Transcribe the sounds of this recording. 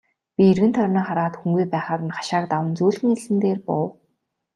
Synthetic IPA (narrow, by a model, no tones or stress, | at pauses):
pʲierɣɘ̆nt̪ʰœrʲniːχaɾaːt̪xuŋɡujpæːχaːɾɘ̆nχḁʃaːk̚t̪awə̆nt͡suːɮɣɘ̆ŋeɮɘ̆nt̪eːrpʊw